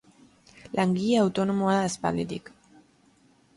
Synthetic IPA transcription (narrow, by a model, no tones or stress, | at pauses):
lʔaŋɡiʎeawt̪o̞no̞moaðaespa̰lit̪ik